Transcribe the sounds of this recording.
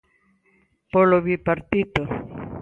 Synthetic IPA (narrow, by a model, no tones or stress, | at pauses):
poloβipaɾt̪it̪o